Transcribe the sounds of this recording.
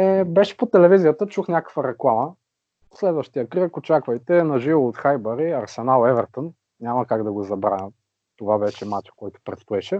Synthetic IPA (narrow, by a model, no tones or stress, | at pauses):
ɛbɛʃɛ̥pot̪ɛlɛvizijət̪ət͡ʃuxnʲakə̥kvəɾɛklˠamə | slɛd̪vəʃt̪ijəkɾəkot͡ʃakvəjt̪ɛnɐʒivoot̪xajbɐɾiɐɾsɛnalˠɛvɛɾt̪on | nʲamɐkaɡd̪ɐɡozɐbɾa̰nʲə | t̪ovavɛʃɛmat͡ʃkɔjt̪o̥pɾɛt̪st̪oɛʃɛ